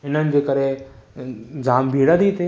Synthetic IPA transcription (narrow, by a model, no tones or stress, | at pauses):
ɦɪnənɪ̆d͡ʑeːkəɾe | d͡ʑaːmbʱiːɽəd̪it̪ʰe